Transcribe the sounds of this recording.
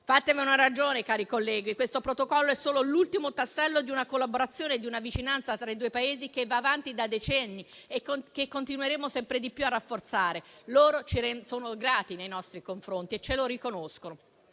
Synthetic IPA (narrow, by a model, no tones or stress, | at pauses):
fat̪eviunaɾad͡ʒoːnekaːɾikolːɛːɡikwest̪opɾot̪okɔlːoɛsːoːlolult̪imot̪asːɛlːod̪iunakolːaboɾat̪sːjoːned̪iunavit͡ʃinant̪sat̪ɾaid̪uepaeːzikevːaːvant̪id̪ad̪et͡ʃɛnːiekokekːont̪inweɾeːmosɛmpɾed̪ipjuarːafːort̪saːɾeloːɾot͡ʃiɾsoːnoɡɾaːt̪inejnɔst̪ɾikoɱfɾont̪iet͡ʃːeloɾikonoskono